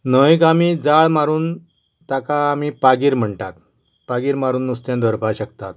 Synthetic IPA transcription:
nəʋikamid͡zaɭmaɾuːn | t̪akaːmipaɡiːɾm̤əɳʈat̪̚ | paɡiːɾmaɾuːnːust̪jãd̪ʱəɾpaɕəkt̪at̪̚

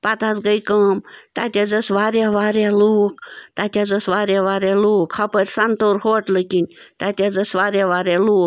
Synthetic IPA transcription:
pat̪asɡəjkɐːmt̪at̪ʲad͡zɐsʋaːɾʲaʋaːɾʲaluːkt̪aːt̪ʲad͡zɐsʋaːɾʲaʋaːɾʲaluːkhɐpəɾʲsɐnt̪oːɾhoːʈlɨkʲinʲt̪at̪ʲad͡zɐsʋaːɾʲaʋaːɾʲaluːk

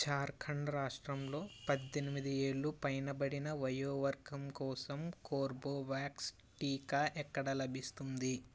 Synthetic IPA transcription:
t͡ʃaːɾkʰɐɳɖɾaːʂʈɾɐmlo̞ːpɐd̪ːenimid̪ieːɭːupɐjnɐbɐɽinɐʋɐjoːʋɐɾɡɐmkɔːsɐmkoːɾboːʋaːks | ʈiːkaːʔɛkːɐɽɐlɐbʱist̪und̪i

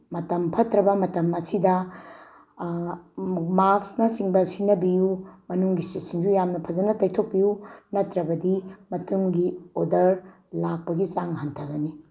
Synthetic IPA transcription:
mɐtɐmpʰɐtɾɐbɐmɐtɐmɐsidɐ | maksnɐsiŋbɐsinɐbijumɐnuŋɡisisiŋd͡ʒujamnɐpʰɐd͡ʒɐnɐtɐjtʰok̚pijunɐtɾɐbɐdimɐtuŋɡiodɐɾ | lak̚pɐɡit͡ʃaŋɦɐntʰɐɡɐni

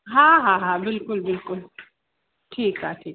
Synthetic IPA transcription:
ɦãɦãːɦãbɪlkʊlbɪlkʊl | ʈʰiːkɦaʈʰiː

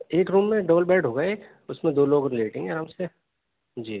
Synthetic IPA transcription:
eːkɾuːmːẽɖɐbəlbɛːɖʱɦoːɡɐeːk | ʊsmẽd̪oːloːɡɾɪleːʈɪ̃ːɡeaːɾaːmse | d͡ʒiː

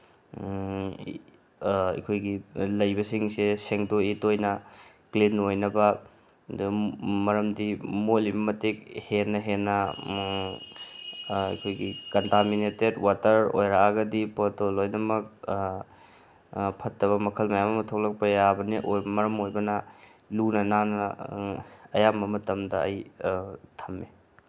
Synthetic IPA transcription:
ɐ̰kʰojɡilɐjbɐsiŋseseŋdoitojnɐ | klinojnɐbɐ | dmɐɾɐmdimolibɐmɐtek̚henːɐɦenːɐ | ɐ̰kʰojɡikɐntaminetedwatɐɾo̰jɾaaɡɐdipotolojdɐmɐk̚ | pʰɐtːɐβɐmɐkʰɐlmɐjamɐmɐtʰok̚lɐk̚pɐjabɐniʔojbɐmɐɾɐmojbɐnɐ | lunɐnanɐ | ɐjamɐmɐtɐmdɐɐ̰j | tʰɐmːe

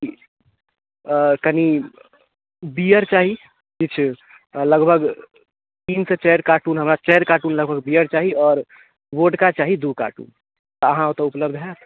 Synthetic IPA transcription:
ki | kəni | biːjəɾt͡ʃaːɦi | d͡ʒɪt͡ʃʰ | ləɡbʱəɡ | t̪iːnset͡ʃɛɾkaːʈuːnɦəɐmɾat͡ʃɛɦɾkaːʈuːnləɡbʱəɡbiːjəɾt͡ʃaːɦiɔːɾ | ʋoːʈkat͡ʃaːɦid̪uka̰ːʈṵːn | t̪ɔəɦãot̪oʊpləbd̪ʱɦɛt̪

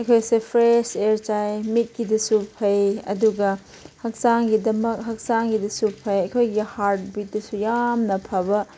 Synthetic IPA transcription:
ɐjkʰojsepʰɾeseɾt͡ʃajmit̚kidɐsupʰɐjɐ̰duɡɐ | hɐk̚saŋɡidɐmɐk̚ɦɐk̚saŋɡidɐsupʰɐjɐjkʰojɡihaɾt̚bit̚dɐsujamnɐpʰɐbɐ

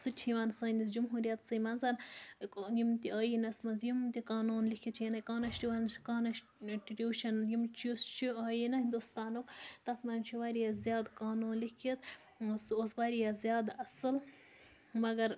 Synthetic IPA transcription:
sɨt͡ʃʰiʋaːnsɐːnd̪is̬d͡ʒumɦuːɾijɐt̪sɨjmɐnzɐn | jimt̪iɐːjinɐsmɐnzjimt̪ikaːnuːnlikʰit͡ʃʰijɐnɐkaːnɐʃʈiʋankaːnɐʃ | ʈɾʲuːʃɐnjimt͡ʃʰiost͡ʃʰiaːjinɐɦind̪ust̪aːnukt̪ɐt̪ʰmɐnt͡ʃʰiʋaɾijazjaːd̪kaːnuːnlikʰit̪ | soːsʋaːɾijazjaːd̪ɐsɨl | mɐɡɐɾ

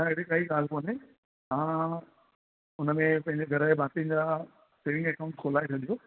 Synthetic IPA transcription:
ãɪɦɽekaːɦiɠaːl̤koːne | ɦãː | ʊnə̆mẽpɐ̃ɦɪ̃ɲd͡ʑeɡʱɐɾəɦebaːt̪iə̃nd͡ʑaː | seːʋɪ̃ŋɡɛkaːʊ̃ɳʈkʰoːlaːet͡ɕʰɐɗ̪ijoː

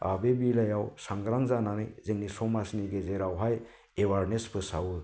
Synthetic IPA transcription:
a̰bebilajawsaŋɡɾaŋzananɯjzɯŋnisɔmasniɡezeɾawɦaj | ewaɾnespʰɯsawu

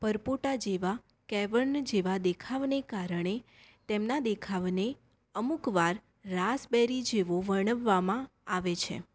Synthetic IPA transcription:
pəɾpoʈad͡ʒeʋa | kɛʋəɾnd͡ʒeʋad̪ekʰaʋnekaɾəɳ̃e | t̪emnad̪ekʰaʋne | əmukʋaɾː | asbɛɾid͡ʒeʋoʋəɳəʋːamãaʋet͡ʃʰḛ

